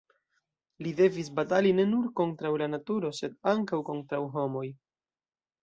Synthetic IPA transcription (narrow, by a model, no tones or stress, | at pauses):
lide̞vis̬bataline̞nuɾko̞ntɾawlanatuɾo̞se̞daŋkawko̞ntɾawɦo̞mo̞j